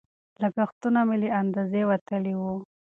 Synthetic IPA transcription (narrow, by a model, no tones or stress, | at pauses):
lakaxt̪unameleand̪azewat̪əliwu